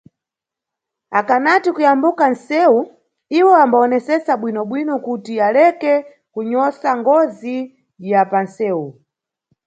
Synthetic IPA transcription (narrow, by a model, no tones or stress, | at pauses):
akanatikujambukansɛu | iwɔambaɔnɛsɛsaɓwinɔɓwinɔkutialɛkɛ | kuɲɔsaŋɡɔzi | japansɛːu